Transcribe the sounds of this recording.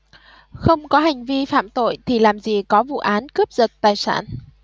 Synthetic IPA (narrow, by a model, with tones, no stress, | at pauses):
xə˧wŋ͡mkɔ˨˦ɦa˨˩jŋ̟vi˧fa̰ː˧˨mt̪o̰˧˨jt̪ʰi˨˩laː˨˩mzi˨˩kɔ˨˦vṵ˧˨ʔaː˨˦nkə˦˥p̚zə˨˩t̚t̪aː˨˩jsa̰ː˧˩n